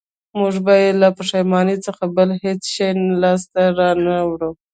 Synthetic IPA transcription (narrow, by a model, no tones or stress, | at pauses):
muʐbajelapəʂajmɑnit͡səxabəlhet͡sʃejlɑs̬t̪aɾɑnawɽu